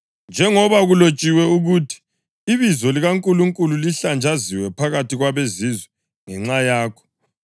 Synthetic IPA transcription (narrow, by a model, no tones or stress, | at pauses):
nd͡ʒʱɛŋɔβaɣulot͡ʃʼiwɛuɣutʰi̥ː | βizɔliɣaŋkʼuluŋkʼululiɬand͡ʒʱaziwɛpʰaɣatiɣwaβezizwɛ | ŋɛŋ͡ǁajaːkʰɔ̥